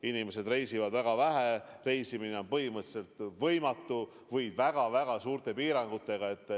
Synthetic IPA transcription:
inime̞se̞d̪re̞jsivɑd̪væɡ̥ɑvæɦere̞jsimine̞o̞npɤɦimɤt̪se̞lt̪vɤjmɑt̪ːˑu | vɤjd̪̥væɡ̥ɑvæɡ̥ɑsuːrt̪e̞piːɾɑŋɡ̥ut̪ːˑe̞ɡ̥ɑe̞t̪ːˑ

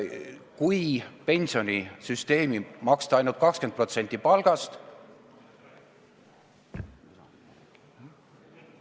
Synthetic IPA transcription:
kujpe̞nʲsio̞nʲisyst̪e̞ːmimɑkst̪ɑɑjnult̪̚kɑkske̞nd̪̚pro̞t̪se̞nʲt̪ːˑipɑlɡ̥ɑst̪

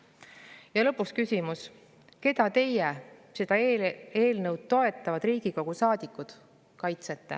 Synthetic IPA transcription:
jɑlɤ̞pːˑukskysʲimus | ke̞d̪̥ɑt̪e̞jese̞d̪̥ɑeːlnɤwd̪̥̚t̪o̞e̞t̪ːˑɑvɑd̪̥riːɡ̥iko̞ɡ̥usɑːd̪̥ikːˑud̪̥ | kɑjt̪se̞t̪ːḛ

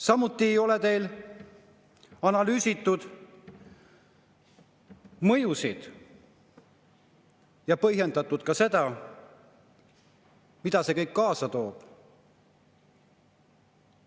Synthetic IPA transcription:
sɑmut̪ːˑiejo̞le̞t̪e̞jl | ɑnɑlyːsit̪ˑːud̪̥ | mɤ̞jusid̪̥ | jɑpɤjhje̞nd̪ɑt̪ːˑud̪̥kɑse̞d̪̥ɑ | mid̪̥ɑse̞kɤjkkːɑːsɑt̪o̞ːb̥

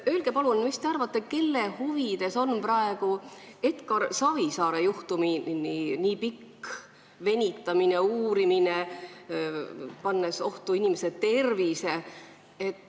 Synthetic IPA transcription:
ø̞lɡ̥e̞pɑlunmist̪eɑrvɑt̪ˑːe̞ke̞lːe̞huvid̪e̞so̞nprɑe̞ɡ̥ue̞t̪kɑrsɑvisɑːɾe̞juht̪umininiːpik | ve̞nʲit̪ːˑɑmineuːɾimine | pɑnːe̞so̞ht̪uinimese̞t̪e̞rvise̞ | et̪ːˑ

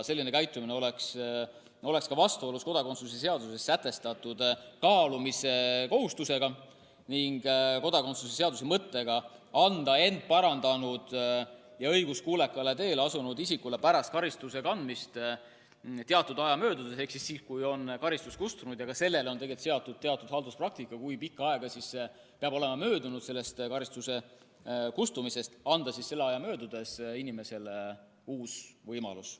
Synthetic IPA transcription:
se̞lːine̞kæjt̪ːˑumineo̞le̞ks | o̞le̞kskɑvɑst̪uo̞lusko̞d̪̥ɑko̞nsuses̬e̞ɑd̪̥use̞sːæt̪ːˑe̞st̪ɑt̪ːˑud̪̥kɑːlumise̞ko̞ɦust̪use̞ɡ̥ɑ | niŋɡ̥ko̞d̪̥ɑko̞nsusese̞ɑd̪use̞mɤt̪ˑːe̞ɡ̥ɑɑnd̪̥ɑe̞nd̪̥̚pɑɾɑnd̪̥ɑnud̪̥ | jɑɤ̞jɡ̥uskuːlekːˑɑlet̪e̞ːlɑsunud̪isikːulepæɾɑst̪kɑɾist̪use̞kɑnd̪mist̪ | t̪eɑt̪ːˑud̪̥ɑjɑmø̞ːd̪ud̪̥e̞se̞ksisːiːskujo̞nkɑɾist̪uskust̪unud̪jɑɡ̥ɑse̞lːe̞lo̞nt̪e̞ɡe̞lt̪se̞ɑt̪ːˑud̪̥̚t̪e̞ɑt̪ːˑud̥̪hɑld̪̥usprɑk̚t̪ikːˑɑkujpikːˑɑe̞ɡ̥ɑsise | peɑbo̞le̞mɑmø̞ːd̪unud̪̥se̞lːe̞st̪kɑɾist̪use̞ | kust̪umise̞st̪ɑnd̪̥ɑsisse̞lːeɑjɑmø̞ːd̪ud̪̥e̞sinime̞se̞l | uːsvɤjmɑ̰lus

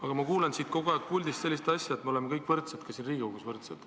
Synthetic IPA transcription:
ɑɡ̥ɑmɑkuːlensiːt̪̚ko̞ɡ̥oækːkulʲd̪ist̪se̞lːist̪ɑsʲjɑet̪me̞olemekɤjkːˑvɤrt̪sed̪kɑsiːnriːɡ̥ʲiowɡ̥usvɤrt̪sed̪̥

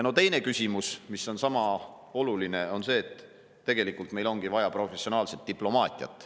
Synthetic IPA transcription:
no̞t̪e̞jne̞kysʲimusmisːo̞nsɑmɑ | o̞luline̞o̞nse̞ːt̪ˑː | e̞ɡ̥e̞likult̪me̞jlo̞ŋɡ̥ivɑjɑpro̞fe̞sʲːio̞nɑːlse̞t̪̚d̪iplo̞mɑːt̪ʲˑiɑ̰t̪ːˑ

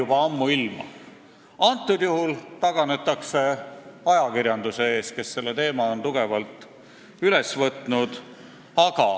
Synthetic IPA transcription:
jub̥ɑɑmːuilmɑ̰ | ɑnt̪ˑːud̪̥juɦult̪ɑɡ̥ɑne̞t̪ːˑɑkse̞ɑjɑkiɾjɑnd̪use̞e̞ːst̪̚ke̞sse̞lːe̞t̪e̞ːmɑont̪uɡ̥e̞vɑlt̪ːˑ | yle̞svɤt̪ˑnud̪̥ | ɑɡ̥ɑ

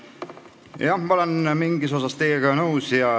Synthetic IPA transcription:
jɑhmɑolenmiŋɡ̥is̬o̞sɑst̪ejeɡ̥ɑnɤwsjɑ

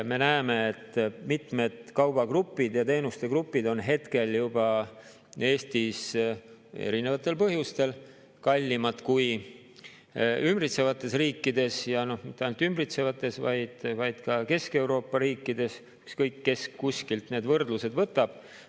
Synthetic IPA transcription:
me̞næeme̞et̪ːˑmit̪me̞d̪̥kɑwbɑkrupːˑid̪jɑt̪e̞ːnust̪e̞krupːid̪o̞nɦe̞t̪ke̞ljub̥ɑ | e̞ːst̪is | ḛɾine̞vɑt̪ːˑe̞lpɤɦjust̪e̞l | kɑlʲːimɑt̪kuj | ymbrit̪se̞vɑt̪ːˑe̞sriːkːid̪e̞sjɑno̞hmit̪ːˑeɑjnult̪ymbɾit̪se̞vɑt̪ːˑe̞svɑ̰jd̪̥vɑjd̪̥kɑke̞ske̞wɾo̞ːpːɑɾiːkːid̪e̞s | ykskɤjkːe̞skkusʲkilt̪ne̞ːd̪vɤrd̪luse̞d̪vɤt̪ːˑɑb̥

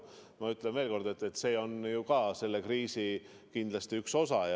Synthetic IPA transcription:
mɑyt̪ːˑlenve̞ːlko̞rd̪e̞t̪ːˑet̪ːse̞ːo̞njukɑːse̞lːe̞kriːsi | kind̪lɑst̪iykso̞sɑj

